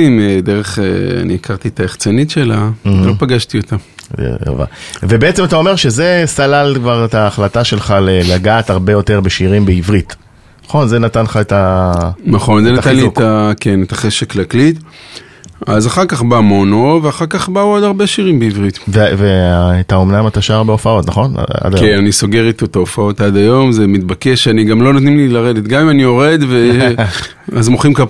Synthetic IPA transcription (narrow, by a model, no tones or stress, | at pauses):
imed̪eʁeχḛa̰niikaʁt̪iet̪aeχt͡senitʃe̞lam̩lopaɡaʃtio̞t̪aḛa̰va̰ve̞be̞et͡se̞mat̪ao̞me̞ʁʃe̞zesalalkvaʁet̪aːχlataʃe̞lχalelaɡaːtaʁbe̞jo̞teʁbeʃiʁimbeivʁit | naχo̞nzenatanχaetanaχo̞nzenaatanlit̪ake̞net̪aχeʃeklaklit̪ | azaχaʁkaχbaːmo̞noveaχaʁkaχbaood̪aʁbeʃiʁimbeivʁit̪veveaːt̪aomnamat̪aʃaːʁbeo̞fao̞tnaχo̞n̰a̰d̪ajenaniso̞ɡe̞ʁit̪oet̪aofao̞t̪ad̪ajo̞mzemit̪̚bake̞ʃaniɡamlo̞not̪nimlilaʁed̪et̪ɡamimanio̞ʁe̞d̪ve | azmoχimka